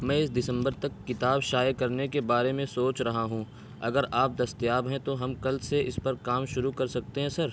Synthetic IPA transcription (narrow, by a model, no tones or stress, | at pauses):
mɛ̃ːɪsd̪ɪsə̃mbəɾt̪ɐkːɪt̪aːbʃaːjekɐɾnekebaːɾemẽsoːt͡ʃɾɐɦaɦũː | ɐɡəɾʔaːp̚d̪ɐst̪jaːbɦɛ̃t̪oɦɐmkɐlseɪspɐɾkaːmʃʊɾukɐɾsɐk̚t̪eɦɛ̃sɐɾ